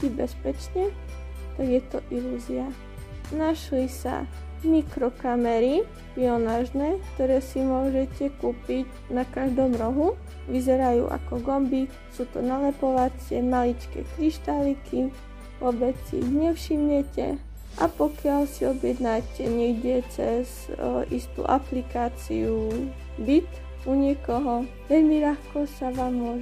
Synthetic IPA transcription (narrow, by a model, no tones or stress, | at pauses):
tibɛspɛt͡ʃɲɛ | t̪aɡjɛt̪ɔʔiluzia | naʃlisa̰ | nikɾɔkamɛɾi | piɔnaːʒnɛːkt̪ɔɾɛːsimʊɔʒɛcɛkuːpic | nakaʒd̪ɔmɾɔɦu | ʋizɛɾajṵːʔa̰kɔɡɔmbi | suːt̪ɔ̰nalɛpɔʋat͡sɪɛmalit͡ʃkɛ̰ːkɾiʃt̪alikʰi | ʋʊɔbɛt͡ssḭḭɣɲɛfʃimɲɛcɛ̰ | ʔapɔkɪalsiɔbjɛd̪nacɛɲɛiɟɛt͡sɛz | ʔḭst̪ṵːʔaplikaːt͡sḭu | bit̪ | uɲɪɛkɔɦɔ | ʋɛʎmiʎaxkɔsaʋaːmːʊɔʒ